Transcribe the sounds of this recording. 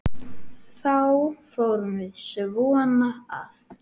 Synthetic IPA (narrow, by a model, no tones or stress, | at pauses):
θawfowɾʏmvɪðsvɔːnaa̰θ